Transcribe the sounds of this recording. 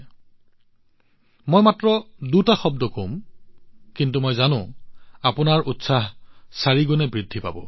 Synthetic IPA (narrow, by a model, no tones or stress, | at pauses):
mojmatɹɔdutaxɔb̚dɔkom | kintumɔjzanʊ̃apʊnaɹutsaɦsaɹiɡɔnɛbɹidʱːipa̰bɔ̰